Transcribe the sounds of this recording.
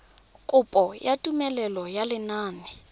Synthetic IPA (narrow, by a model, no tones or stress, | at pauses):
kʼʊpʼɔjatʼumɛlɛlɔjalɪnaːnɪ